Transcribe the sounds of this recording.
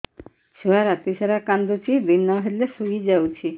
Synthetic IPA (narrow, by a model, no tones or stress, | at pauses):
ʃuaɾat̪iʃaɾakand̪ut͡ɕibinːaɦelesuɡid͡ʑawt͡ɕʰi